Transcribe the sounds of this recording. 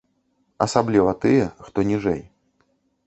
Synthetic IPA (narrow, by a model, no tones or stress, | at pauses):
ɐsablʲivɐt̪ɨjɛxt̪ɔnʲiʐɛ̰j